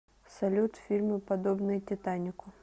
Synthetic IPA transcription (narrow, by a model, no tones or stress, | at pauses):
sɐlʲut̪fʲirmɨpɐd̪obnɨjtʲɪt̪anʲɪkʊ